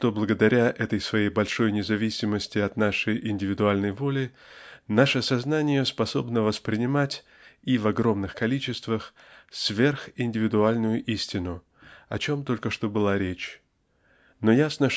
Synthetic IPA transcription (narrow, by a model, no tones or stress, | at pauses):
ʂt̪o̞blˠəɡəd̪ɐɾʲaʔɛt̪əjsvɐjejbɐlʲʂo̞jnʲɪzɐvʲisʲɪməsʲtʲɪɐt̪naʂəjʔɪnʲdʲɪvʲɪd̪ʊalʲnəjvo̞lʲɪ | naʂəsɐznanʲɪjəspɐso̞bnəvəspɾʲɪnʲɪmatʲ | ivɐɡro̞mnɨxkɐlʲit͡ɕɪst̪vəx | svʲe̞rxɪnʲdʲɪvʲɪd̪ʊalʲnʊjʊʔisʲtʲɪnʊ | ɐ̰t͡ɕo̞mt̪o̞lʲkəʂt̪o̞bɨlˠaɾʲet͡ɕ | no̞jasnə